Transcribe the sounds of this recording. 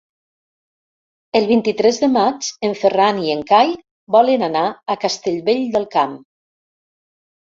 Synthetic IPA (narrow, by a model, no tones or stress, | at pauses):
əlˠβint̪it̪ɾɛzðəmad͡ʒəɱfəranieŋkaj | bɔlənanaakast̪eʎβeʎd̪əlˠkam